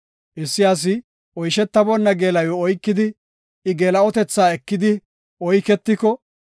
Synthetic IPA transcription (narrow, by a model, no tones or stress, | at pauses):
ʔɪsːɪjas̬ɪ | ʔɔjʃɛt̪ːɐbɔnːɐɡeːlɐjɔɔjkːɪd̪ɪ | ɪɡeːlɐɔt̪ɛt͡sːaːɛkːɪd̪ɪ | ʔɔjkɛt̪ːɪkɔ